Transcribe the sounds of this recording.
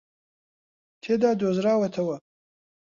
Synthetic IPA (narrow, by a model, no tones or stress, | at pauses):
t̪ʰed̪ɑd̪ozɾɑːwat̪ʰawa